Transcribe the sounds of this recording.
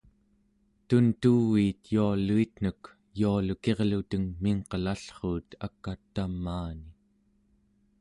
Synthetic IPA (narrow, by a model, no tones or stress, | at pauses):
t̪unt̪uwiːt̪jualuit̪n̥ək | jualuke̞ʁlut̪əŋmiŋqəlaɬχuːt̪ʰakːat̪ːamːaːni